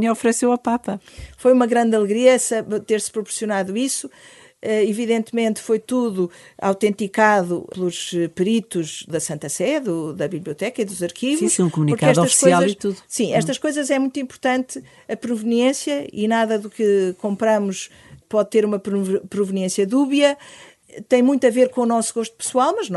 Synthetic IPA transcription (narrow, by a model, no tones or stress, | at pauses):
ɐ̃ɔfɾsewɐpapɐfojumɐɣɾɐ̃nd̪ɐlˠɨɣɾiɐsɐt̪eɾspɾupuɾsiunaðuisu̥ | ɛiviðẽnt̪mẽnt̪fojt̪uðua̰wt̪ẽnt̪ikaðuplˠuʃpɨɾit̪uʒðɐsɐ̃nt̪ɐsɛðuðɐβiβlˠiut̪ɛkɐiðuzɐɾkivuʃũkumunipuɾkaɛʃðɔt̪ɐʃksiazlˠɐit̪uðsĩɛʃt̪ɐʃkojzɐzɛmũj̃t̪uĩmpuɾt̪ɐ̃nt̪ɨ | ɐpɾuvɨniẽsjɐḭnaðɐðukɨkõmpɾɐmuʃ | pɔðt̪eɾumɐpɾupɾuvɨniẽsjɐðuβjɐ | t̪ɐ̃j̃mũj̃t̪ɐveɾkõunɔsuɣoʃt̪u̥pɨ̥swalˠmɐʒñ